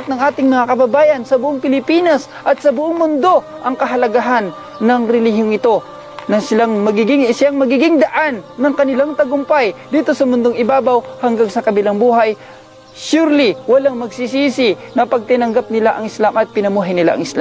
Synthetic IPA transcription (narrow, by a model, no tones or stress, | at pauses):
t̪̚nɐŋʔaːt̪ɪŋmɐŋakɐbɐbaːjɐnsɐbʊʔoŋpɪlɪpiːnɐs | ʔɐt̪̚sɐbʊʔoŋmʊnd̪o̞ | ʔɐŋkɐɦɐlɐɡaɦanː | ɐŋɾɛlihjoŋɪt̪o̞ | nɐsɪlaŋmɐɡiɡɪŋsɪaŋmɐɡiɡɪŋd̪ɐʔanːɐŋkɐnɪlaŋt̪ɐɡʊmpajd̪iːt̪o̞sɐmʊnd̪oŋɪbaːbawhɐŋɡaŋsɐkɐbɪlaŋbuːɦaj | ʃuɾliwɐlaŋmɐɡsisiːsɪnɐpɐɡ̚t̪ɪnɐŋɡap̚nɪlaʔɐŋɪslamʔɐt̪̚pɪnɐmuːɦajnɪla̰ʔɐ̰ŋɪslam